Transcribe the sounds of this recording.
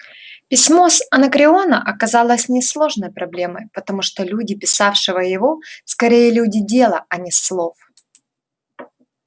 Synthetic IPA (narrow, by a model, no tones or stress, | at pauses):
pʲɪsʲmo̞sɐnəkɾʲɪo̞nəʔɐkɐzalˠəsʲnʲɪslˠo̞ʐnəjpɾɐblʲeməjpət̪ɐmuʂt̪olʲudʲɪpʲɪsafʂɨvəjɪvo̞skɐɾʲejəlʲudʲɪdʲe̞lˠəɐnʲɪslˠo̞f